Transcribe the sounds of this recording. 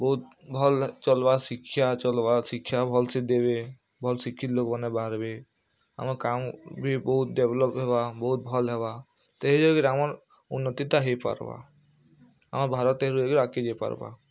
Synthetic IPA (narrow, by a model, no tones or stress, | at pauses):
bɔɦut̪̚bʱɔlt͡ʃɔlbasikʰːjat͡ʃɔlbasikʰːjabʱɔlsed̪ebe | bʱɔlsikʰːit̪lokbanebaɾbe | a̰maɾkambʱibɔɦut̪̚deblɔpɦebabɔɦut̪̚bʱɔlɦɛba | t̪eɦid͡ʒɔɡiɾamaɾ | unːɔt̪it̪aɦepa̰ɾba̰ | a̰maɾbʱaɾɔt̪ːeɦɾud͡ʒɔɡiɾakːed͡ʒepa̰ɾba̰